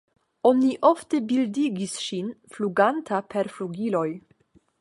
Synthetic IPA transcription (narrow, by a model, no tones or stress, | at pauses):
ɔniʔɔft̪əbɪld̪iɡisʃinfluɡant̪ʰapʰɛɾfluɡilɔj